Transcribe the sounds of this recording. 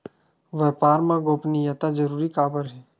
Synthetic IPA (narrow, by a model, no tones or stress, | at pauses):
ʋɛːpaːɾmãɡoːpnijət̪ad͡ʒɐɾuːɾikaːbəɾɦɛː